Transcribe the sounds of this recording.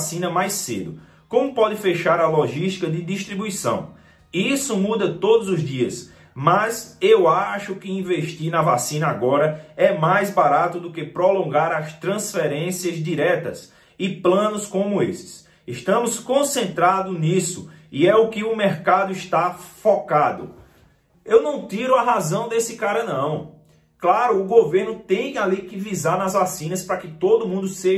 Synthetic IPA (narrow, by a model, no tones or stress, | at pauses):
sĩnɐmajsḛd̪ʊ | kõmʊpɔd̪ɪfeʃaɾɐloʒiʃt̪i̥kɐd̪ɪd̪iʃt̪ɾibuisɐ̰̃w̃ | isʊmud̪ɐt̪od̪ʊzʊzd̪iɐs | mɐzewaʃʊkɪĩveʃt̪inɐvasĩnɐaɡɔɾɐɛmajzbaɾat̪ʊd̪ʊkɪpɾolõɡaɾɐst̪ɾɐ̃sfɛɾẽsiɐzd̪iɾɛt̪ɐz | ɪplɐ̃nʊskõmʊesɪ̥s | ɪʃt̪ɐ̃mʊskõsẽnt̪ɾad̪ʊnisʊɪɛʊkɪʊmeɾkad̪ʊɪʃt̪afɔkad̪ʊ̰ | ewnɐ̃w̃t̪iɾʊɐɦazɐ̃w̃d̪esɪkaɾɐnɐ̃w̃ | klaɾʊːɡoveɾnʊt̪ẽj̃alikɪvizaɾnɐzvasĩnɐspɾɐkɪt̪od̪ʊmũnd̪ʊse